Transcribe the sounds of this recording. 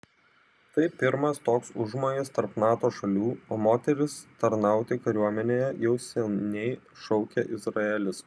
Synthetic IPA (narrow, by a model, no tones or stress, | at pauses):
t̪ɐɪpʲɪɾmɐst̪oːksʊʒmoːjɪst̪ɐɾpnɑːt̪oːʃɐlʲuːoːmoːt̪ʲɛɾʲɪst̪ɐɾnɑˑʊt̪ʲɪkɐɾʲuɔmʲɛnʲeːjɛjɛʊsʲɛnʲɛɪ | ʃɒʊkʲɛʔɪzɾɐɛlʲɪs